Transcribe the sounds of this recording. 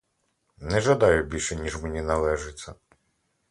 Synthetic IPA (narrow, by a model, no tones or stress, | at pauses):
nɛʒɐd̪ɑjʊbʲilʲʃɛnʲiʒmenʲinɐlˠɛʒet͡sʲːɐ